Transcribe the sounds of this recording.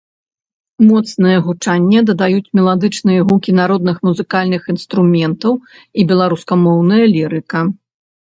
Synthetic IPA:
mɔt̪snɨjɐɣut͡ʂanʲːɛd̪ɐd̪ajut͡sʲmʲɛlˠad̪ɨt͡ʂnɨjɐɦukʲinaɾɔd̪̚nɨxmuzɨkalʲnɨxinst̪ɾumʲɛnt̪ɐw | ibʲɛlˠaɾuskɐmɔwnɐjɐlʲiɾɨkɐ

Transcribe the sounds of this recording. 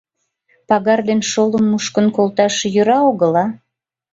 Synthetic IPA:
pɑɣɑrd̪enʃoləmːuʃkə̆nkolˠt̪ɑʃejøɾɑoɣə̆lɑ

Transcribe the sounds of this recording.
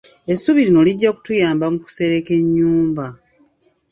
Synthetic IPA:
e̞sːuβiɾino̞liɟːaku̥tujaːmbamuku̥se̞ɾe̞ke̞ɲːuːmba

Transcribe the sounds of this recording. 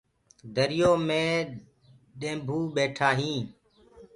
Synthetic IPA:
d̪ʱəɾɪjoːmẽː | ɗẽːbʱuːɓeːʈʰaːɦĩː

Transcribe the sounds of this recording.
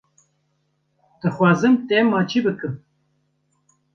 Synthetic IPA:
d̪̥ɨxwɑːzɨmt̪emɑːt͡ʃibɨkɨm

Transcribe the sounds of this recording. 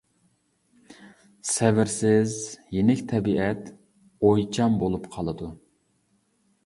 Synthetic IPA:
sɛvɪɾsɪzjenɪkʲt̪ʰɛbiʔɛt̪ | ojt͡ʃʰɑmbolˠupqʰɑlˠɨd̪u

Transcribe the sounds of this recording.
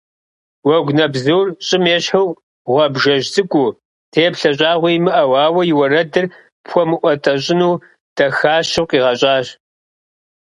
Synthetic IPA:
wɐɡʷnɐbzurɕʼɪmeːɕħɨw | ʁʷɐbʒɐʒzɨkʷʼuː | tʰeːpɬɐɕʼaːʁʷijmɨʔɐwɑːwɐjɪwɐrɐdɨr | pxʷɔmɨʔʷɔtʰɐɕ̬ʼɪnuː | d̥ʰɐxaːʃɨwqʼiːʁɐɕʼaːɕ

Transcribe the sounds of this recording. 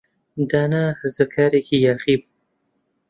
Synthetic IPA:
d̪aːnahɨɾzɐkʰaːɾeːkʰiːjaːχiːbu

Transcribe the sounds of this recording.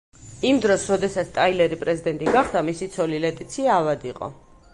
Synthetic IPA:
imd̪ɾɔsɾɔd̪ɛsat̪st̪ʼailɛɾipʼɾɛzid̪ɛnt̪ʼiɡaχd̪amisit̪sʰɔlilɛt̪ʼit̪sʰiaːvad̪iqʼɔ̰

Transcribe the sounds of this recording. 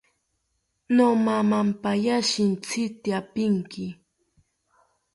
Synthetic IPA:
nomamampajaʃɪnt͡sɪt̪ɪapɪŋkɪ

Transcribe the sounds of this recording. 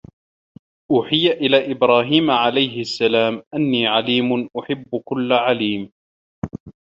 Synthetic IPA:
ʔuːħɪjaʔɪlaːʔɪbɾɑːɦiːmʕalajhɪʔasːalaːmʔanːiːʕaliːmʊnʔʊħɪbːʊkʊlːʕaliːm

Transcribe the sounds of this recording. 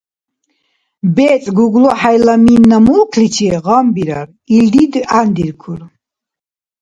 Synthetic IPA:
bɛːt͡sʼɡuɡlɔħajlaminːamulkʰlit͡ʃʰiʁambiɾa̰ɾ | ild̪id̪and̪iɾkʰuɾ

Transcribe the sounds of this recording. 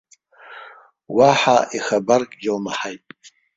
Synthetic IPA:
waħaiχabarkʼɡʲɪlmaħajtʼ

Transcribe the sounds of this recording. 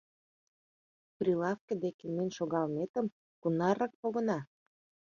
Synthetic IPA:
prʲilɑfkə̆d̪ekemenʲʃoɣɑlmet̪ə̆m | kunɑɾɑk̚poɣə̆nɑ

